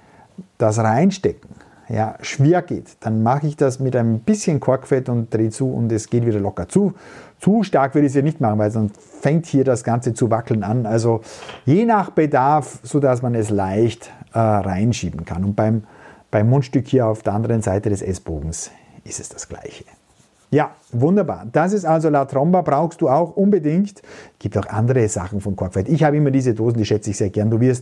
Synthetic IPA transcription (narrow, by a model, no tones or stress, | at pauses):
d̥as̬ʁaɪnʃtɛkŋ̩ | ja̰ːʃv̥eːɐɡ̥ḛːtd̥anmaχəɪçd̥asmɪtaɪnəmb̥ɪsçənkʰɔɐkfɛtʊnt̚d̥ʁeːt͡suːʊ̰ntɛsɡ̥eːtviːɾɐlɔkɐt͡suːt͡suːʃtaɐkv̥ʏɐɪçshiːɐnɪçtmaχn̩vaɪlzɔn | fɛŋk̚thiːɐdasɡ̥ant͡sət͡suvakl̩nanalzojeːnaχb̥ədaɐfz̥oːdas̬manɛslaɪçtʔɛːʁaɪnʃiːbn̩kʰanʊnt̚b̥aɪmb̥aɪmːoːnʃtʏkhiːɐaʊfd̥eːɐʔandəʁənzaɪtədɛsʔɛsb̥oːɡŋ̩s | ʔɪstɛsd̥ḁsɡ̥la̰ɪçə̥ | jaːvʊndɐba̰ːɐd̥as̬ɪstalzolatʁɔmbɐbʁaʊxst̚d̥uːaʊxʔʊnbədɪŋktsɡ̥iːp̚taʊxʔa̰ndəʁəz̥a̰χn̩fɔnkʰɔɐkfvɛɐtɪçhaːbəɪmɐdiːzədoːzn̩diːʃɛt͡səɪçz̥eːɐɡɛɐnduːvɪɐst